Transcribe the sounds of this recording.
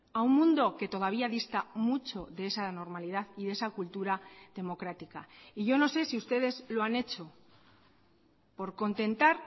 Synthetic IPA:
aummũnd̪o̞ke̞t̪o̞ð̞aβ̞iaðist̪amut͡ʃo̞ðe̞esano̞ɾmaliðaðiðe̞sakult̪uɾaðe̞mo̞kɾat̪ikaiʝo̞no̞se̞siust̪e̞ð̞e̞zlo̞ane̞t͡ʃo̞ | po̞ɾko̞nt̪e̞nt̪aɾ

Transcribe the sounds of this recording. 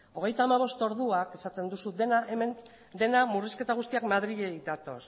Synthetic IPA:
o̞ɣ̞e̞jt̪aːmaβ̞o̞st̪o̞ɾðuake̞sat̪e̞nd̪usuðenaemen | d̪e̞namuriske̞t̪aɣ̞ust̪iakmaðɾiʎejd̪at̪o̞̰s

